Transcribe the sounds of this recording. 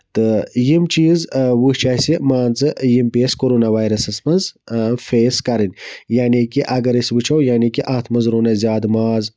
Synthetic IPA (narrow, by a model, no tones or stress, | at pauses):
t̪ɨjimt͡ʃiːzwuht͡ʃaːsimaːnt͡sɨjimpeːskoɾoːnaʋaːjɾɐsɐsmɐnzfeːskɐɾɨnʲjaːnikiʔɐɡɐɾisbɨt͡ʃʰɐwjaːnikiʔaːt̪ʰmɐzɾonɐzʲjaːd̪maːz